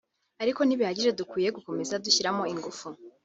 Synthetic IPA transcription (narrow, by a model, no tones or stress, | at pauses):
aɾiko̞niβihaɟiʒe̞dukwiːje̞ɡuko̞me̞zaduçiɾamo̞iŋɡufu